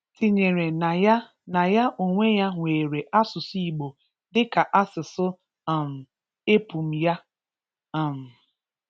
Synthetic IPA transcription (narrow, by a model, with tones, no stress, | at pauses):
ti˨ɲe˨ɾe˨na˨ja˦ | na˨ja˦ʔo˨ŋʷe˦ja˦ŋʷeː˨ɾe˨ʔa˦sʊ˨si˨ɡ͡bo˨ | dɪ˦ka˨ʔa˦sɪ˨sʊ˦˨ | m̩˨ | e˦pu˨m̩˨ja˦ | a˨m̩˨